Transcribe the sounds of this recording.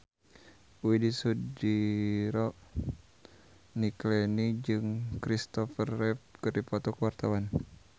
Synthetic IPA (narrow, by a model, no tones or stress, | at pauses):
widisudiɾɔ | niklɛnid͡ʒɨŋkɾist̪ɔfərːɛp̚kɨrdipɔt̪ɔkəwart̪awan